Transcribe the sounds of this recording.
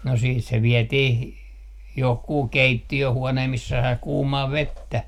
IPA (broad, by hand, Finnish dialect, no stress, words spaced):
no siːt se ʋiɛtih johkuː keitːiøhuoneː misːæ sɑi kuːmɑː ʋetːæ